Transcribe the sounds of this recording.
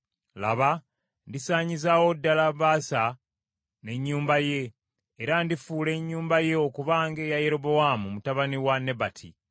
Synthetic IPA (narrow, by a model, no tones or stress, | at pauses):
la̰βa | ndisaːɲizawo̞dːalaβaːsa | ne̞ɲːuːmbaje̞ː | ɾandifuːle̞ɲːuːmbaje̞o̞kuβaːŋɡe̞jajeɾoβo̞wamumutaβaniwane̞batʰḭ